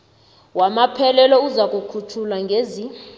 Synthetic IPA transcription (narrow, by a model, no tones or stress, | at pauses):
wamapʰɛlɛlɔuzakʼukʰutʰulaŋɡʱezi